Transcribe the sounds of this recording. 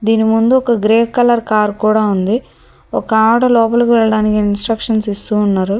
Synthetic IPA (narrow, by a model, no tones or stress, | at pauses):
d̪iːnimund̪uɔkɐɡɾeːkkɐlɐɾkaːɾkuːɽaːund̪i | ɔkɐaʈɐlɔːp̬ɐlkuʋɛɭɐɽaːnikiinsʈɾɐkʂɐnsist̪uːnːaːɾu